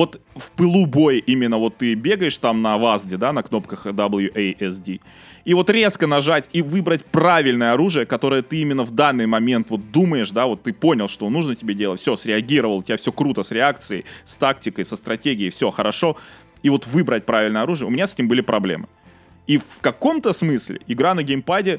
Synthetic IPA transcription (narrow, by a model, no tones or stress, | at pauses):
vo̞t̪fpɨlˠubo̞jɪʔimʲɪnːəvo̞t̪ːɨbʲe̞ɡəjɪʂt̪amnɐvazdʲɪd̪anɐkno̞pkəxd̪ɐbɨlˠjuʔejɛsdʲi | ivo̞t̪ɾʲe̞skənɐʐatʲivɨbɾətʲpravʲɪlʲnəjəɐɾuʐɨjəkɐt̪o̞ɾəjət̪ɨimʲɪnːəvd̪anːɨjmɐmʲe̞nt̪vo̞t̪̚d̪uməjɪʂd̪avo̞t̪ːɨpo̞nʲɪlˠʂt̪o̞nuʐnətʲɪbʲedʲelətʲfsʲosɾʲɪɐɡʲiɾəvəlˠətʲɪbʲafsʲokɾut̪əsɾʲɪak̚t̪sɨjə̰jst̪aktʲɪkəjsəst̪ɾɐtʲeɡʲɪjɪjfsʲo̞xəɾɐʂo̞ | ivo̞t̪vɨbɾət̚ʲpɾavɪlʲnjəɐɾuʐɨjəʊ̰mʲɪnʲasɛtʲɪmbɨlʲɪpɾɐblʲḛmɨ | ifkɐko̞mt̪əsmɨsʲlʲɪ̰ɪɡɾanəɡʲejmpadʲɪ